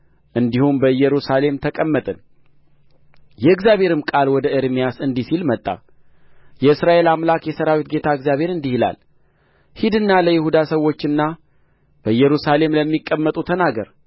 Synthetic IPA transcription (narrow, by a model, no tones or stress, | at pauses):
ʔɨnd̪ihumbəɨjɛɾusale̞mt̪ʰəkʼəmːət̪ʼɨn | jɛɨɡzjaβhe̞ɾɨmkʼalwɔd̪əʔɨɾmijasɨnd̪isilmət̪ʼːa̰ | jɛɨsɾaʔe̞lamlakjɛsəɾawit̪̚ɡe̞t̪ʰaɨɡzjaβʱhe̞ɾɨnd̪ihila̰l | hid̪ɨnːaləjɪhud̪asəwːo̞t͡ʃːɨnːa | b̥əjɛɾusale̞mləmːikʼːəmːət̪ʼut̪ʰənaɡəɾ